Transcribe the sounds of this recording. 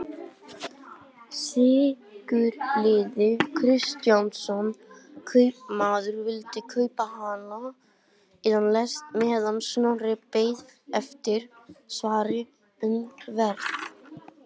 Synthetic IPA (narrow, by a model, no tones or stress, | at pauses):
sɪː | kʏɾlɪːðɪkʰɾɪst̪jansɔnkʰœɥp̚maːðʏɾvɪlt̪ɪkʰœːɥpahana | iːðanlɛst̪mɛɛðansnawrɪpeːjðɛft̪ɪɾ̥svaːɾɪ | ʏnvɛɾt̪